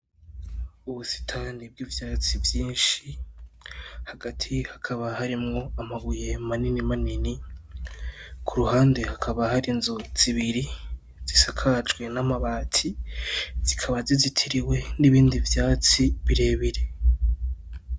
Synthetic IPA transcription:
uβusi̥tʰanib̚ɡiːvjaːt͡sivjiːnʃi | haɡatʰihḁkʰaβahaɾimŋo̞amaβuje̞maninimanini | kʰuɾuhaːnde̞hakʰaβahaɾinzoz̥iβiɾi | z̥isakʰad͡ʒɡwe̞namaβaːtʰi | z̥ikʰaβazizitʰiɾiwe̞niβiːndivjaːt͡siβiɾe̞ːβiɾe̞

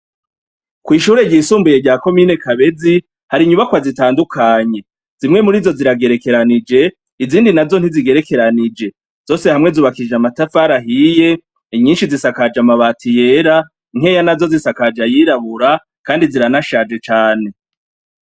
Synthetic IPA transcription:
kwiːʃuːɾe̞ɟiːsuːmbuje̞ɟaːko̞miːne̞kaβe̞zi | haɾiɲuβakwazitaːndukʰaɲe̞ | z̥imŋe̞muɾiːzo̞ziɾaɡe̞ɾe̞ke̞ɾanid͡ʒe̞ | iziːndinazo̞n̥iziɡe̞ɾe̞ke̞ɾanid͡ʒe̞ | z̥o̞se̞hamŋe̞zuːβakid͡ʒamatafaɾaɦije̞ | iɲiːnʃizisakad͡ʒamaβatije̞ɾa | ŋ̥he̞ːjanazo̞zisakad͡ʒajiɾaβuɾa | kaːndiziɾanaʃad͡ʒe̞t͡ʃaːne̞

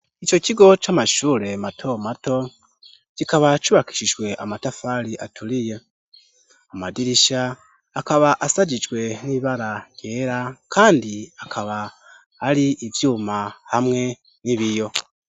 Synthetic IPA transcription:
it͡ʃo̞ciɡo̞t͡ʃamaʃuːɾe̞matʰo̞mato̞ | cikaβat͡ʃuβaki̥ʃiʒwe̞ʔamatafaɾiʔatulije̞ | amadiɾiʃaː | kaβaʔasaɟid͡ʒwe̞niβaɾajje̞ːɾakʰaːndiakʰaβaː | ɾiʔivjuːmahamŋe̞ | niβijo̞

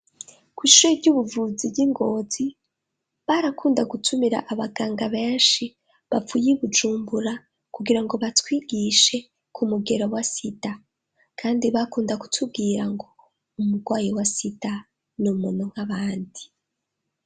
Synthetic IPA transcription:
kwiːʃojeɾɟuβuvuziɟiŋɡo̞zi | βaɾakuːndaɡutʰumiɾa̰ʔːβaɡaːŋɡaβe̞ːnʃi | βafujiβud͡ʒuːmbuɾa | kuɡiɾaŋɡo̞βatwiːɡiʃe̞ | kʰumuɡe̞ɾowasita | kʰaːndiβakuːndaku̥tʰub̚ɡiːɾaŋɡo̞ | umuɡwaːjiwasita | numuːnuŋ̥haβaːndi

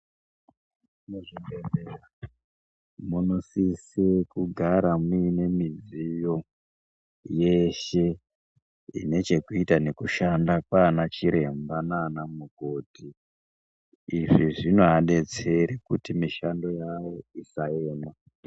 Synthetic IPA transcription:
muʐimbed͡zera | munosisekuɡʱaɾamiːne̞mid͡zijo̞ | je̞ʃe̞ | ḭne̞t͡ʃe̞kuitane̞kuʃandakwanat͡ʃiɾe̞mbananamuɡʱo̞ːtʰi | ʐiʐinoɦaɗe̞t͡se̞ɾekutimiʃando̞jawo̞isaeːma

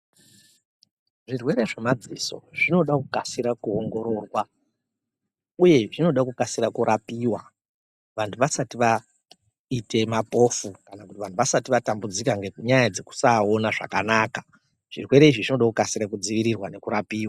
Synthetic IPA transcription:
ʐirwe̞ɾe̞ʐemad͡ziso̞̰ʐino̞ɗakukasiɾakuoŋɡo̞ɾo̞rwa | uje̞ʐino̞ɗakukasiɾakuɾapiːwa | ʋantʰuʋasatiʋa | ite̞mapo̞fukanakutiʋan̤tʰuʋasatiʋatambud͡zikaŋɡeɲajad͡ze̞ku̥saonaʐa̰kanaːka | ʐ̥irwe̞ɾe̞iʐiʐino̞ɗakukasiɾakud͡ziʋiɾirwane̞kuɾapiːwa

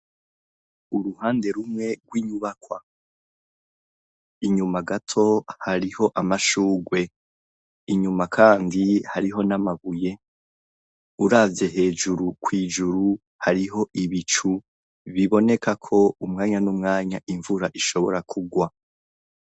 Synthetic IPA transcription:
uɾuhaːnde̞ɾumŋe̞ɡwiɲuβakwa | iɲumaɡatʰo̞haɾiho̞ʔamaʃuːɡwe̞ | iɲumakʰaːndihaɾiɦo̞namaβuje̞ | uɾavje̞ɦe̞ːd͡ʒuɾukʰwiːd͡ʒuɾu | haɾiɦo̞ʔiβit͡ʃu | βiβo̞ne̞kʰakʰo̞umŋaːɲanumŋaːɲaʔiɱvuɾaʔiʃo̞βo̞ɾakʰuɡwa

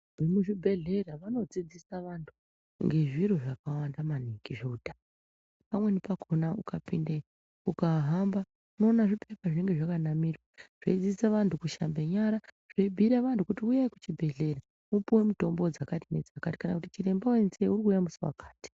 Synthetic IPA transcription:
ʐimuʐibʱe̞ɮe̞ɾaʋano̞d͡zid͡zisaʋantʰu | ŋɡe̞ʐiɾo̞ʐakawandamaniŋɡiʐeuta | pamwe̞nepakʰonaukapinde | ukaɦamba | uno̞ːnaʐipʰe̞paʐine̞ŋɡe̞ʐakanamirwaʐ̥eid͡zid͡zisaʋantʰukuʃa̰mbe̞ɲaɾa | ʐ̥eibʱiɾaʋantʰukutiujaikut͡ʃibʱe̞ɮe̞ɾa | upuwe̞muto̞mbod͡zakatine̞̰d͡zakati̥kanakutit͡ʃiɾe̞mbawe̞nseurikujamusiwa̰kḁːti̥

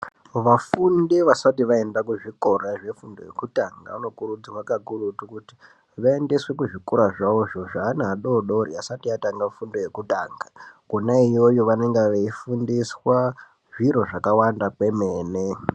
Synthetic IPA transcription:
ʋafundeʋasatiʋae̞ndakuʐiko̞raʐe̞fundo̞jḛkutaŋɡa̰ʋano̞kuɾud͡zamwakaɡʱurutukuti̥ | ʋae̞ndeswe̞kuʐikoɾaʐaoʐo̞ʐaːnaɦaɗo̞ɗo̞ɾiasatiataŋɡafundo̞je̞kuta̰ːŋɡakonaijojoʋane̞ŋɡeʋeifundiswa | ʐiɾo̞ʐakawandakwe̞meːne

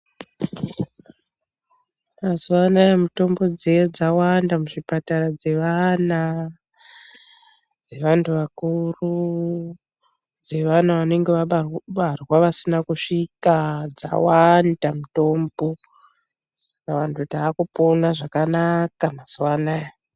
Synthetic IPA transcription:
mazuwanajamuto̞mbo̞d͡zejod͡zawandamuʐipataɾad͡ze̞ʋana | d͡ze̞ʋantʰuʋakuru | d͡ze̞ʋanaʋane̞ŋɡeʋaɓɓarwaʋasinakuʂikad͡za̰wandamuto̞mbo̞ | sḁkaʋantʰutaːkuponaʐakanakamaz̥wanaja

